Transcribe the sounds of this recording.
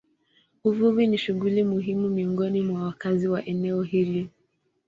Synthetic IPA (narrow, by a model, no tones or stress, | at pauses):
uvuviniʃuɣulimuɦimumiɔŋɡɔnimwawakaziwaʔɛnɛɔɦili